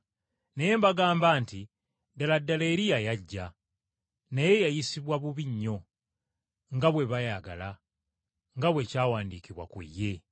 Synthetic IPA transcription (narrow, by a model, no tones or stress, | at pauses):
neje̞ːmbaɡaːmbaːnti | daladːaleːɾijajaɟːa | naje̞jajisiβwaβuβiɲːo̞ | ŋɡaβwe̞βajaɡa̰la | ŋɡaβwe̞caːwaːndiːkiβwa̰kṵjːe̞